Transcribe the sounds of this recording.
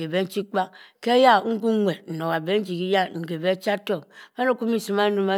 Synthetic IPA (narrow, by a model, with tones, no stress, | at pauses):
e˨be˨˦n̩˦t͡ʃi˦k͡pa˦kke˦ja˦ŋ̩˦k̬u˦ŋʷe˨tn̩˨no˨wa˨be˨˦n̩˦d͡ʒi˨ki˦ja˦ŋ̩˨ɡe˨be˦t͡ʃa˦to˦˨ma˦no˦ku˦mi˦si˨ma˦nu˦ma˦